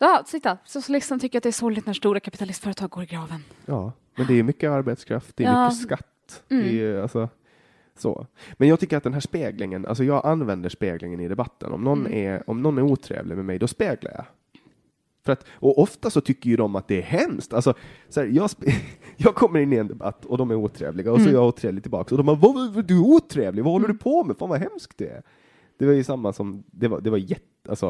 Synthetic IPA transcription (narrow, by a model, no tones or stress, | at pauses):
ɑsɪt̪ːasʊsʊlɪst̪ant̪ʰʏkːəɾat̪̚d̪ɛæʂɔɾlɪt̪næʂt̪uːɾakʰapɪt̪alɪst̪fœːɾət̪ʰɑːɡoːɾɪɡɾɑːvənjɑː | mɛnd̪ɛæjɵmʏkːəaɾbeːt̪skʰɾa̰ft̪̚d̪ɛjmʏkəskat̪ːd̪ɛalsɔ | so̰ːmɛnjɑɡt̪ʏkːəɾat̪̚d̪ɛnɦæːʂpeːɡlɪŋənʔa̰lsɔjɑːɡʔanːvɛnd̪əʂpeːɡlɪŋənɪd̪ɛbat̪ːə̰nɔ̰mnɔnːɛ̰ɾɔ̰mnɔnːæɾuːt̪ʰɾḛːvlɪmɛmɛjd̪ɔspeːɡla̰jɑ̰ | fœɾat̪ʔɔʔɔft̪asɔt̪ʰʏkːəɾjɵd̪ɔmːat̪̚d̪̥ɛːɾɦɛmst̪alsɔsæːɾjɑːspjɑːɡ̚kʰɔmːəɾɪnːɪɛnd̪ɛba̰t̪ːɔd̪ɔmæɾuːt̪ʰɾḛːvlɪɡaɔsɔæɾjɑuːt̪ʰɾeːvlɪɡ̚t̪ɪlbɑːksɔd̪ɔmavad̪ɵæɾuːt̪ʰɾeːvlɪɡvahɔlːəɖɵpʰɔmɛfaːnvaɦɛmskt̪d̪̥ɛæ̰ɾ | d̪̥ɛvajɵsamːasɔmd̪ɛva̰d̪ɛvajɛt̪alsɔ